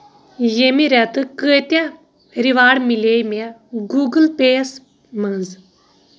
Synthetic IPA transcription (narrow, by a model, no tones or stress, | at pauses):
jemiɾʲat̪ɨkəːt̪jã | ɾiʋaːɽmilejmaɡuːɡəlpeːs | mɐnz